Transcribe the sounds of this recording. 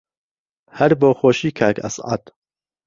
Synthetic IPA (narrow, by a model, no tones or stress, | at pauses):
hæɾboːxoːʃiːkʰaːkʰæ̰sʕɑ̰d̪